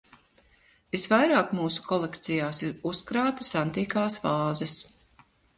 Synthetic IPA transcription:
visvajɾaːkmuːsu̥kʰɔlˠekt̪sijaːsiɾuskɾaːt̪ɐsant̪iːkaːsvaːzɛs

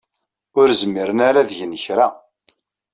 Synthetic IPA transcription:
ʊɾzmːiɾənaɾaðʝənəçɾæ

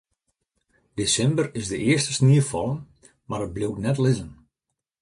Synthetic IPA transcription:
d̥esɛmbərɪzdəʔɪərstə̥sniəfɔlˠən | maɾət̚blowtnɛtlɪzən

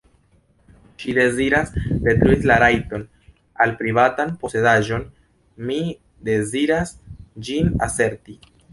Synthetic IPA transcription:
ʃide̞ziɾasde̞t̪ɾuilaɾajto̞n | alpɾivatanpo̞se̞daʒo̞n | mi | d̪e̞ziɾasd͡ʒina̰se̞ɾti

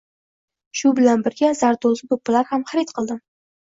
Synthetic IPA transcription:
ʃʊbɪlanbɪɾɡʲaz̥aɾd̪olˠzʲɪb̪ʊpːalaɾhamχaɾit̪qʰɨlˠd̪ɪ

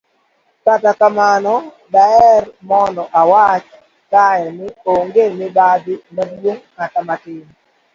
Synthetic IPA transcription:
tatakamanɔ | daɛrmɔndɔʔawat͡ʃ | kajɛnɪoŋɡemɪbad̪ɪmadwoŋːatamatɪn

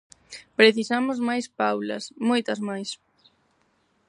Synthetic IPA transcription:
pɾeθisamʊzmajspawlɐ̰smojt̪ɐzmajs

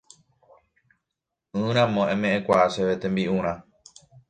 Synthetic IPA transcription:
ɨ̃ɾ̃ãmõʔẽmẽʔẽkʷaaʃeʋet̪ẽ̞mbiʔũɾ̃ã

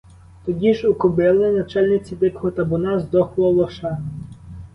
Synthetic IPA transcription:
t̪ɔdʲiʒʊkʊbɪlˠɪnɐt͡ʃɛlʲnɪt͡sʲid̪ɪkɔɦɔt̪ɐbʊnɑzd̪ɔxlˠɔlˠɔʃɑ

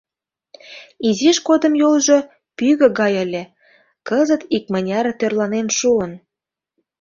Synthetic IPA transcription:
iziʃkod̪ə̆mjolʒo | pyɣə̆ɣɑjə̆lʲĕ | kəzət̪ik̚mənʲɑɾt̪ørlɑnenʃuən

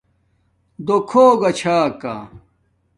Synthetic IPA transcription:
d̪okʰoːɡɐt͡ɕʰaːka̰

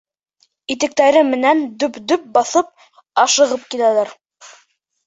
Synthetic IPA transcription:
it̪ɘ̆k̚t̪æɾɘmɘ̆nænd̪ɵpd̪ɵp̚bɑθɤp̚ | ɑʃɤ̆ʁɤp̚kilælæɾ

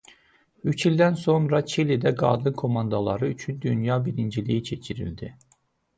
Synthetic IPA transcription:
yt͡ʃʰilʲd̪ænso̞nɾɑt͡ʃʰilid̪æɡɑ̰ːd̪ɯnkʰo̞mɑnd̪ɑlˠɑɾɯyt͡ʃʰynd̪ynjɑːbiɾind͡ʒilḭjit͡ʃʰe̞t͡ʃʰiɾḭld̪i

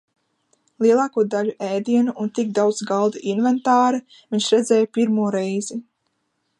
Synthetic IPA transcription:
lˠiɛlˠaːkuɔd̪aluʔɛːd̪iɛnuʔːnt̪iɡ̚d̪awd̪zɡalˠd̪ɨʔinvɛnt̪aːɾɨ | viɲʃɾɛd̪zɛːjpiɾmuɔɾɛjzi

